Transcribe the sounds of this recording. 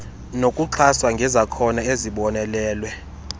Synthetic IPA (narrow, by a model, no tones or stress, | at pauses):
nokʼuǁʰaswaŋɡʱɛzakʰɔnaeziɓɔnɛlɛːlwɛ